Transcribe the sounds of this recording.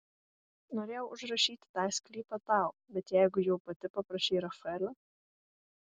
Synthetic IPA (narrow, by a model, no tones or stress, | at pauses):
noːɾʲeːjɛʊʔʊʒɾɐʃʲiːt̪ʲɪ̥t̪ɑːjsʲklʲiːpɐt̪ɑˑʊbʲɛt̪jɛɪɡʊjɛʊpɐt̪ʲɪpɐpɾɐʃʲɛɪɾɐfɛlʲɐ